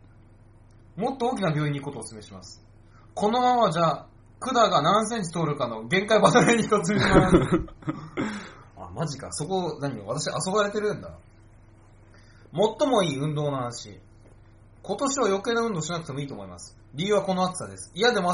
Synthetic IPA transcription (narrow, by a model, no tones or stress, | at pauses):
mo̞t̪ːo̞oːkʲinabʲo̞ːiɲ̟iko̞t̪o̞ːsɨme̞ɕimasɨ̥ | ko̞no̞mamaβad͡ʑaː | kɯ̟d̪aɡanãñs̬ẽ̞ɲ̟t͡ɕi̥t̪o̞ːɾɯ̟kano̞ɡẽ̞ŋkaibat̪aɾeɲ̟içit̪ot͡sɨmeima | a̰maʑika̰so̞ko̞naɲ̟ḭβat̪aɕiaso̞baɾe̞t̪e̞ɾɯ̟̃nd̪a̰ | mo̞t̪ːo̞mo̞iːɯ̟̃nd̪o̞ːnohanaɕḭ | ko̞t̪o̞ɕiβajo̞ke̞ːnoɯ̟̃nd̪o̞ːɕinak̟t̪e̞mo̞iːt̪o̞ːmo̞̰imasɨ̥ | ɾʲiːɯ̟βako̞noat͡sɨ̥ad̪e̞sɨ̥ijad̪e̞mo